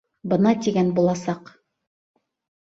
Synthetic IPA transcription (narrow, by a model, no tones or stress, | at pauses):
bɤ̆nɑt̪iɡænbulˠɑsɑq